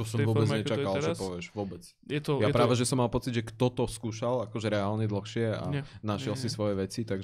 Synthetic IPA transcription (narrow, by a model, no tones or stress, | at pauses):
tɔsɔ̃mvʊɔbɛd͡zɲɛt͡ʃakalt͡ʃɛpɔʋɪɛʒʋʊɔbɛt͡s | jɛt̪ɔjapɾaːʋɛʒɛsɔmːalˠpɔt͡sid̪ʒɛkt̪ɔt̪ɔskuːʃalakɔʒɛɾɛaːlɲɛd̪l̩xʃɪɛa̰naʃɪɛlsisʋɔjɛʋɛt͡sit̪aɡ